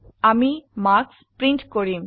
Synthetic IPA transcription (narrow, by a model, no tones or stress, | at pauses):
amimaɾkspɾiɳʈkoɾim